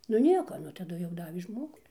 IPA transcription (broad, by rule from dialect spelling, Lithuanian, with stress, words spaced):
nʊ ˈnʲiɛkoː ˈnʊ tɐˈdʊ jɛʊ ˈdɑːʋʲeː ˈʒmoːɡʊ